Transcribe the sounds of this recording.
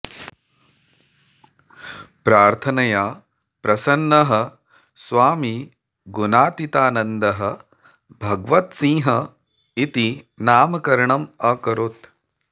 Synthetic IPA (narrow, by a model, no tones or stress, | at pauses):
pɾaːɾt̪ʰɐnɐjaː | pɾɐsɐnːɐɦɐ | sʋaːmi | ɡunaːt̪it̪aːnɐnd̪ɐɦɐ̆ | bʱɐɡʋɐt̪sĩːɦɐ | it̪i | naːmɐkɐɾɐɳɐmɐkɐɾoːt̪